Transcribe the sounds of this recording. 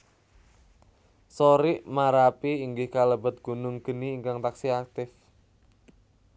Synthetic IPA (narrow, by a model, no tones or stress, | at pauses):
soɾɪʔmaɾapiːŋɡɪhkaləbə̤t̪̚ɡ̥ṳnʊŋɡ̥əniːŋkaŋt̪aksiak̚t̪ɪf